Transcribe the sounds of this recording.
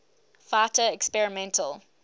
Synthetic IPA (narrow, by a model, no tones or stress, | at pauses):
fatəɛkspɛɹɪmɛ̃ntʰəl